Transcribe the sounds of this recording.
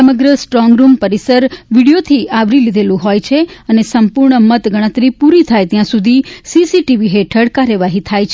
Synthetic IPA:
səməɡɾəsʈɾɔŋɡɾumpəɾisəɾʋiɽijot̪ʰiʔaʋɾilid̪ʱelũɦojt͡ʃʰeənesəmpuɾɳəmət̪ɡəɽ̃ə̃t̪ɾipuɾit̪ʰajt̪jãsud̪ʱisisiʈiʋiɦeʈʰəɽkaɾjəʋaɦit̪ʰajt͡ʃʰ

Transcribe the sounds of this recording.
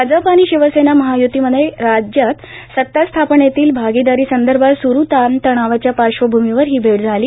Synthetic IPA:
ad͡zapaniːɕiʋəsenaməɦajut̪iːməd̪ʱəjɾad͡ʑjat̪ | sət̪ːast̪ʰapɳet̪iːlbʱaɡid̪aɾiːsənd̪əɾbʱat̪suɾut̪ant̪əɽ̃aʋat͡ɕjapaɕʋəbʱumiʋəɾɦiːbʱeʈd͡zʱaliː

